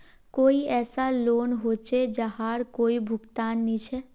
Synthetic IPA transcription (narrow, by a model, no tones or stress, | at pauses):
koːiɛːsaloːnɦoːt͡ʃed͡ʒəɦaɾkoːibʱʊɡt̪aːnːit͡ʃʰɛ